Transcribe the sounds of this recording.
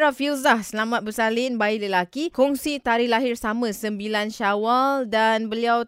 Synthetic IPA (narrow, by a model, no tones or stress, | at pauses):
ɾafilzahsəlamat̪̚bəsalinbailəlakikuŋsit̪aɾihlaɦɪrsamãsəmbilanʃawaldanbəliaw